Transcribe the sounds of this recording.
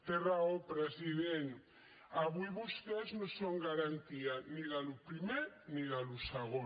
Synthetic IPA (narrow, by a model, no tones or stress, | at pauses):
t̪eraopɾeziðen | aβujβust̪eznosoŋɡaɾant̪ianiðalupɾimeɾniðaluseɣo